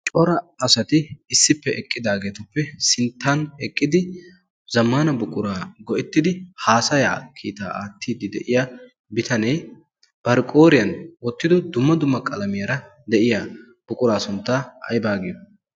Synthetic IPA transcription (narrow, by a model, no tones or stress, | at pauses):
t͡ʃʼɔɾɐɐsɐt̪ɪɪsːɪpːɛʔɛkʼːɪd̪aːɡe̞ːt̪ɐpːɛsɪnt̪ːanɛkʼːɪd̪ɪ | zɐmːaːnɐbʊkʼʊɾaːɡɔʔɛt̪ːɪd̪ɪhaːsɐja̰ːkʰḭːt̪a̰ːʔaːt̪ʰːiːd̪ɪd̪ɛʔɪja | bɪt̪ɐnɛj | b̥ɐɾkʼo̞ːɾɪjɐnwɔt̪ːɪd̪ɔd̪ʊmːɐd̪ʊmːɐkʼɐlɐmɪjɐɾɐ | d̪ɛʔɪja | b̥ʊkʼʊɾaːsʊnt̪ːaɐ̰jbaːɡɪjɔ